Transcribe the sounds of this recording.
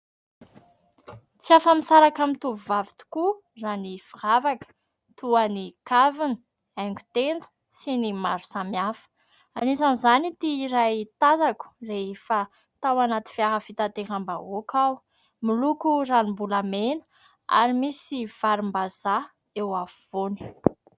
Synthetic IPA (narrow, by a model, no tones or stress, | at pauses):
t͡siafamisaɾakamit̪uvuvavit̪u̥ku | ranifiravakə̥ | t̪uanikavinə | ɛŋɡʲu̥t̪end͡zə̥ | sinimaɾu̥samiafə̥ | anisanzanit̪iːɾajt̪azaku̥reefa | t̪awanat̪i̥fiaɦəfit̪at̪eɾamba̰okʰaw | milukuranimbulamenə̥ | a̰ɾimisiv̥aɾimbaza | ewavvoni̥